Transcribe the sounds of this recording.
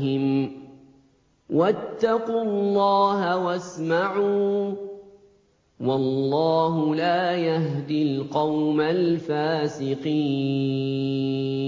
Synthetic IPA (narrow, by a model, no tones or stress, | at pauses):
ɪm | wʔat̪ːɑquːlːɑːɦawasmaʕuː | wɑlːɑːɦʊlaːjaɦd̪ilqɑwmalfaːsɪqiː